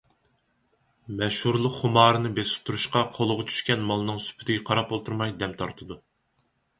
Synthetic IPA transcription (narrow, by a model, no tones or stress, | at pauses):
mɛʃhuɾlˠʊqχʊmɑːɾɨnɨbesɪ̥p̚t̪ʰuɾuʃqɑqʰolˠʊʁɑt͡ʃʰy̥ʃkʲɛnmɑlˠɨnɨŋsy̥pʰɪ̥t̪ʰɪɡʲɛqʰɑɾɑp̚olˠt̪ʰuɾmɑjd̪ɛmt̪ʰɑɾt̪ʰɨd̪u